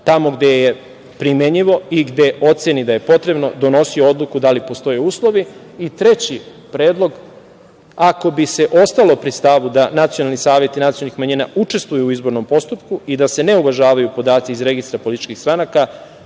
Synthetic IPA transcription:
t̪amo̞ɡd̪eje | pɾimeɲiʋo̞iɡd̪e̞ʔo̞t̪senid̪aje̞po̞t̪ɾe̞bno̞d̪o̞no̞sioo̞d̪lˠukud̪alipo̞st̪o̞jeuːslˠo̞ʋi | it̪ɾe̞t͡ɕi | pɾe̞ːd̪lˠo̞ɡ | ako̞bise̞ʔo̞st̪alo̞pɾist̪aʋud̪anat̪sijonalˠnisaːʋje̞t̪inat̪sio̞lnixmaɲinaut͡ʃe̞st̪ʋujuːizbo̞ɾno̞mpo̞st̪upkuid̪ase̞ne̞uʋaʒaːʋajupo̞d̪aːt̪siizɾe̞ɡist̪ɾapo̞lit̪it͡ʃkixst̪ɾanaka

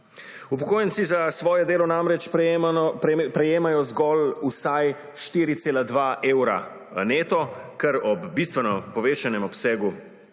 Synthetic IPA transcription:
upɔkoːjnt̪sizasʋɔːjɛd̪eːlɔnamɾɛt͡ʃ | pɾɛjeːmajɔzɡɔlusaj | ʃt̪iːɾit̪seːlad̪ʋaːʔeːwɾa̰ | neːt̪ɔkɛɾɔbːist̪ʋɛnɔpɔʋeːt͡ʃanɛmɔpsɛːɡu

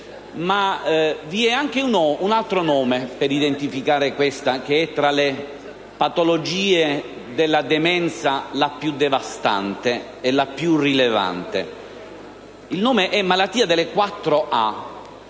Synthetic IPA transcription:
maviɛaŋk̟eunounalt̪ɾonɔːmepeɾid̪ent̪ifikaːɾekwest̪ak̟eɛt̪ːɾale | pat̪olod͡ʒiːe | d̪elːad̪emɛnt̪salapjud̪ːevast̪a̰nt̪e | elapjurileva̰nt̪ḛ | ilnoːmeʔɛmːalat̪ːiːad̪elːekwat̪ːɾoʔa̰

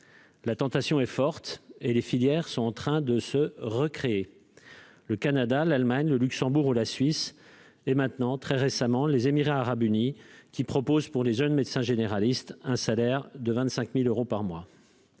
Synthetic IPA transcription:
lat̪ɑ̃t̪asjɔ̃ɛfɔʁt̪elefiljɛʁsɔ̃ɑ̃t̪χɛ̃d̪əsəʁəkχee | ləkanad̪alalmaɲləlyksɑ̃buʁulasɥis | ɛmɛ̃t̪nɑ̃t̪χɛʁesamɑ̃lezemiʁaːʁabynikʲipχɔpozpuʁleʒønmed̪sɛ̃ʒeneʁalist̪ɛ̃salɛʁd̪əvɛ̃t̪sɛ̃kmiløʁopaʁmwa

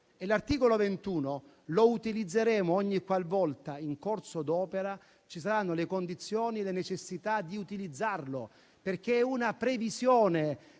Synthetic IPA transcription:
elart̪iːkolovent̪uːno | lout̪ilid̪zːeɾɛːmoɔɲːikːwalvɔlt̪aiŋkorsod̪ɔːpeɾa | t͡ʃisaɾanːolekond̪it̪sːjoːnielenet͡ʃesːit̪ad̪iut̪ilid̪zːarlo | perk̟eɛunapɾevizjoːne

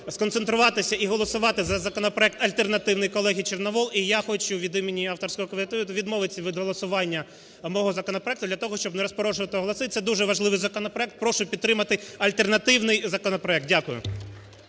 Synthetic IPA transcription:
skɔnt̪sent̪ɾʊʋɑt̪ɪsʲɐiɦɔlˠɔsʊʋɑt̪ɪzɐzɐkɔnɔpɾɔɛk̚t̪ɐlʲt̪ernɐt̪ɪwnɪjkɔlˠɛɦʲit͡ʃernɔʋɔlˠijaxɔt͡ʃʊʋʲid̪ɪmenʲiɑft̪ɔrsʲkɔɦɔkɔmʲɪt̪ɪʊʋʲid̪mɔʋɪt͡sʲːɐʋʲɪd̪ɦɔlˠɔsʊʋɑnʲːɐ | mɔɦɔzɐkɔnɔpɾɔɛkt̪ʊd̪lʲɐt̪ɔɦɔʃt͡ʃɔbnɛɾɔspɔɾɔʒoʋɐt̪ɪɦɔlˠɔsɪt̪sɛd̪uʒɛʋɐʒlˠɪʋɪjzɐkɔnɔpɾɔɛk̚t̪̚pɾɔʃʊpʲid̪t̪ːɾɪmɐt̪ɪɐlʲt̪ernɐt̪ɪwnɪjzɐkɔnɔpɾɔɛkt̪̚dʲakʊjʊ̰

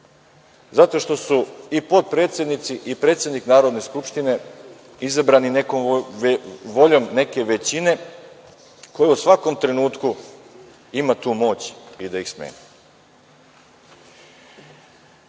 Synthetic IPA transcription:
zat̪o̞ʃt̪o̞suipo̞t̪̚pɾe̞ːt̪sʲje̞d̪nit̪siʔipɾe̞ːt̪sʲjed̪niknaːɾod̪ne̞skupʃt̪ine̞ | izabɾaninekom | ʋo̞ʎo̞mne̞ke̞ʋe̞t͡ɕine̞ | ko̞jeusʋako̞mt̪ɾe̞nuːt̪ku | imat̪uːmo̞ːt͡ɕid̪aixsmḛni

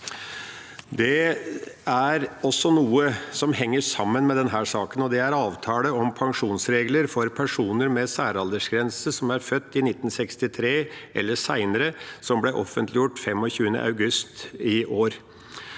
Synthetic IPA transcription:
d̪ɛ | æɾɔsːɔnuːəsɔmhɛŋːəʂɑmːənmɛd̪ɛnɦæːʂɑːkənɔd̪ɛæɾɑːʋt̪ʰɑːləɔmpʰɑŋʂuːnsɾeːɡləɾfɔɾpʰæʂuːnəɾmɛsæːɾɑld̪əʂɡɾɛnsəsɔmæɾfœt̪ːɪnɪt̪ːn̩sɛkst̪ɪt̪ʰɾeːʔɛlːəʂæɪnəɾəsɔmblɛʔɔfənt̪ʰlɪjʊʈːfɛmːɔçʉːənə̰ʔɑ̰ʉɡʉst̪ɪʔoːɾ

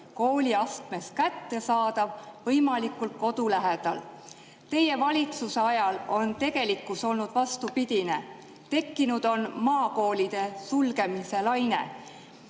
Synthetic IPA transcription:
ko̞ːlʲiɑst̪me̞skæt̪ːe̞sɑːd̪̥ɑvvɤjmɑlikˑult̪̚ko̞d̪̥ulæɦe̞d̪̥ɑ̰l | t̪e̞je̞vɑlʲit̪suseɑjɑlo̞nt̪e̞ɡ̥e̞likːˑuso̞lnud̪̥vɑst̪upid̪̥ʲine̞ | t̪e̞kːinud̪̥o̞nmɑːko̞ːlid̪̥e̞sulɡe̞mise̞lɑjne̞̰

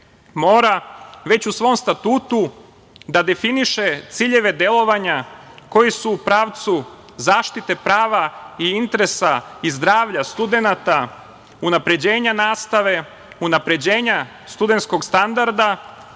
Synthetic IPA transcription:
mo̞ːɾaʋe̞t͡ɕusʋo̞ːmst̪at̪uːt̪u | d̪ad̪e̞finiʃe̞t̪siʎe̞ʋe̞d̪e̞lˠo̞ʋaɲako̞jisuːpɾaːʋt̪su | zaːʃt̪it̪e̞pɾaːʋaiint̪eɾe̞saizd̪ɾaːʋʎast̪ud̪enat̪a | unapɾe̞d͡ʑe̞ːɲanaːst̪aʋe̞ | unapɾe̞d͡ʑe̞ːɲa | st̪ud̪ent̪sko̞ɡst̪and̪aɾd̪a

